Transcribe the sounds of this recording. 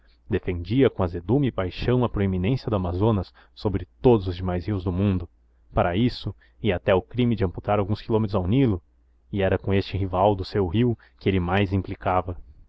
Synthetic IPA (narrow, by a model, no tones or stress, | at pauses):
d̪efẽnd͡ʒiɐkõɐzed̪ũmɪːpajʃɐ̃w̃ɐpɾoeminẽsjɐd̪ʊamazõnɐsː | obɾɪt̪od̪ʊzʊzd͡ʒɪmajzhiwzd̪ʊmũnd̪ʊ | paɾɐisʊ | iat̪ɛʊkɾimɪd͡ʒɪɐ̃mput̪aɾawɡũskilõmet̪ɾʊzawnilʊ | ɪɛɾɐkõest͡ʃɪɦivawd̪ʊsewɦiw | kɪelɪmajzĩplikavɐ